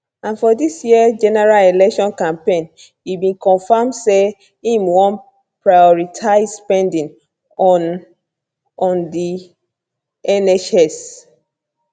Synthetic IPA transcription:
ãnfɔdisjiəd͡ʒɛnɛɹalelɛkʃɔ̃nkãmpẽn | ibĩnkɔ̃nfamse | ĩmwɔ̃n | pɹajɔɹitʰaɪzspɛ̃ndĩn | ɔ̃ndi | ɛnɛt͡ʃɛs

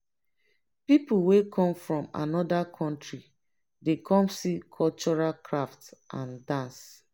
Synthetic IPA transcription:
pipuwekʰɔ̃mfɹɔ̃ma̰nɔdakʰɔ̃ntɹi | dekɔ̃msikʰɔlt͡ʃɔɹalkʰɹaftʔãndãns

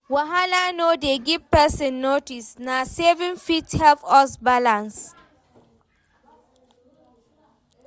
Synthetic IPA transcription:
waɦalanodeɡivpɛsə̃nːotisnasevĩnfithɛlfɔsbalãns

